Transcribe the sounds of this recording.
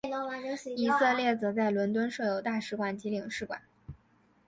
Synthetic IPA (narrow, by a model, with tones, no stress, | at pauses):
i˧˥sə˥˧ljɛ˥˩t͡sɤ˧˥t͡sa˥˩ɪlwə˧˥nt̪̬wə˥nʂɤ˥˩jo˨˩ʊt̪a˥˩ʂɻ̩˧˥kwa˨˩nt͡ɕi˧˥li˨˩ŋʂɻ̩˥˩kwa̰˨˩˦n